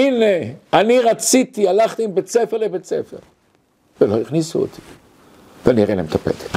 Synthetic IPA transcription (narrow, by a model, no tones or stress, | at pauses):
ineaniʁat͡sit̪ialaχt̪iimbet͡sefeʁlebet͡sefḛʁ | veloiχnisuo̰t̪ʰi̥ | veaniaʁelaemt̪ʰapḛt̪e̥t̪